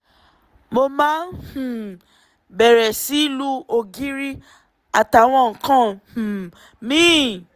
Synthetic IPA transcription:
mo˧mãː˦n˦hũ˨ | bɛ˨ɾɛ˨si˨˦i˦lu˦o˧ɡi˦ɾi˦ | a˨ta˨w̃ɔ̃˧ŋ̩˦kã˦h̩˨ | mĩ˦˨

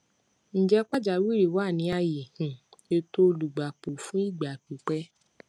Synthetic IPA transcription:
n̩˨d͡ʒɛ˧˦k͡pa˦d͡ʒa˨wi˦˨ɾi˨wa˦˨nĩ˨˧˦a˧ji˨hĩ˨e˧to˦˧lu˨ɡ͡ba˨k͡pu˨fũ˦i˦˨ɡ͡ba˨k͡pu˨˦k͡pɛ˦

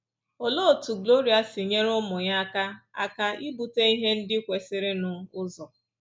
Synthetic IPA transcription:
o˨lo˦˨tu˨ɡlo˦ɾi˨a˨sɪ˨ɲe˦ɾʊ˦mʊ˨ɲa˦ka˦a̰˦ka˦i˦bu˨te˦i˦ɦe˦n̩˦dɪ˦kʷe˨sɪ˦ɾɪ˦nʊ˨ʊ˦zɔ˨

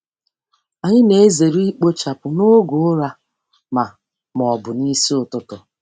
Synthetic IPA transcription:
a˨ɲɪ˦ne˨e˦ze˨ɾi˦i˦k͡po˦t͡ʃa˨pʊ˨no˦ɡo˦ɾa˦ | ma˨ | mɔ˨bʊ˨ni˦si˦ʊ˨tʊ˦tʊ˨

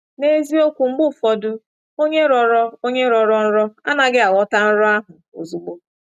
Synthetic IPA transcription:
ne˦zi˦o˦kʷu˨ŋ͡m̩˦ɡ͡bʊ˦˨fɔ˨dʊ˦ | o˦ɲe˦ɾɔ˨ɾɔ˦o˦ɲe˦ɾɔ˨ɾɔ˦n̩˦ɾɔ˦a̰˦na˨ɡɪ˦a˨wɔ˦ta˦n̩˦ɾɔ˦a˦ɦʊ˨o̰˨zu˨ɡ͡bo˦

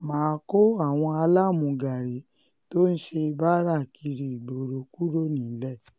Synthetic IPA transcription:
mãː˨˦ko˦a˦˨w̃ɔ̃˧a˧la˦mũ˨˧˨ɡa˨ɾe˨˦ | to˦n̩˦ʃe˧ba˦ɾa˦˨kʰi˧ɾi˨bo˨ɾo˨ku˦ɾo˦˨nĩ˨˦˨lɛ˦˨

